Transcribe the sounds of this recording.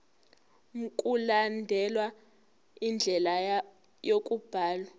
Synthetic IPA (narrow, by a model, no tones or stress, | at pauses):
kʼulandʱɛlwa | ind͡ɮʱɛla | jokʼub̥ʱaːlwa